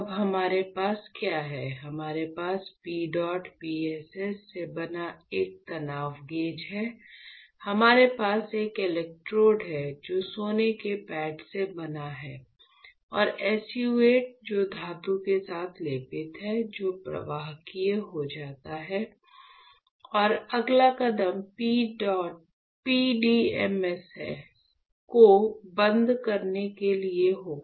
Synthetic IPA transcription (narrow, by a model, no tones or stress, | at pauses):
bɦɐmaːɾepaːskjaːɦɛɦɐmaːɾepaːspiːɖɔːʈpiːɛsɛsːebɐnaeːk̚t̪ɐnaːʋɡẽːd͡ʒɦɛ | hɐmaːɾepaːseːkɪlɛk̚ʈɾoːɖɦɛd͡ʒoːsoːnekepɛːʈsebɐnaɦɛː | ɔːɾɛːsjueːʈ̚d͡ʒoːd̪ʱaːt̪ũkesaːt̪ʰleːpɪt̪ɦɛd͡ʒoːpɾɐ̰ʋaːɦkijɦod͡ʒaːt̪aɦɛː | ɔːɾɐɡlakɐd̪əmpiːɖɔːʈ̚ | piːɖiɛmɛsɛ̰ | kobə̃nd̪kɐɾnekelieɦoː